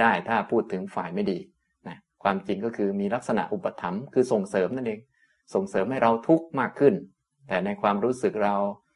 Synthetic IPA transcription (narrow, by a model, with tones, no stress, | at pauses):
aː˥˩jt̪ʰaː˥˩pʰuː˥˩t̪ʰːɯ˩˦ŋfaː˨˩jma˥˩jdiː˧ | na˦˥ | kʰwaː˧mt͡ɕi˧ŋkɔː˥˩kʰɯː˧miː˧la˦˥k̚sa˧na̰˨˩ʔu˨˩pːa˧t̪ʰa˩˦mkʰɯː˧so˨˩ŋsɤː˩˦mna˥˩nʔeː˧ŋ | so˨˩ŋsɤː˩˦mha˥˩jɾa˧wt̪ʰu˦˥k̚maː˥˩kʰːɯ˥˩n | t̪ɛː˨˩na˧jkʰwaː˧mɾuː˦˥sɯ˨˩k̚ɾa˧w